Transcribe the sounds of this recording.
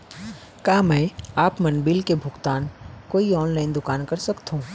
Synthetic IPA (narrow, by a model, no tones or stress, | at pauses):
kaːmɛ̃ːaːpmɐnbiːlkebʱʊɡt̪aːnkoːiɔːnlaːɪnd̪ʊkaːnkɐɾsɐkt̪ɦũː